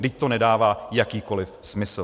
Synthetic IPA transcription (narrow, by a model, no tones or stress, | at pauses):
nɪc̚t̪o̞nɛdaːvaːjakiːko̞lɪfsmɪs̩